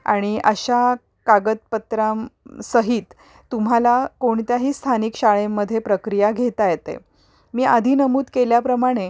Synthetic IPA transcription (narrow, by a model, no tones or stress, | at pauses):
a̰ɽ̃iʔəɕa | kaɡət̪̚pət̪ɾamsəɦiːt̪ː | um̤alakoɳt̪jaɦiːst̪ʰaniːkɕaɭemːəd̪ʱːjepɾəkɾijaɡʱet̪ajet̪ḛ | miːʔad̪ʱiːnəmuːd̪keljapɾəmaɽ̃e